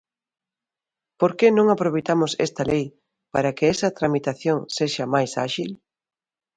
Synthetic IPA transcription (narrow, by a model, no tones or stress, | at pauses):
poɾkenõŋapɾoβejt̪amʊsḛst̪ɐlej | paɾɐkɪɛsɐt̪ɾamit̪aθjoŋseʃɐmajsa̰ʃil